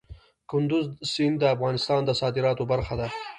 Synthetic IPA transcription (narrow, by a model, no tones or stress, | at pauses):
kʊnd̪ʊzsind̪əafɣɑnɪst̪ɑnd̪əsɑd̪ɪɾɑt̪obaɾxad̪a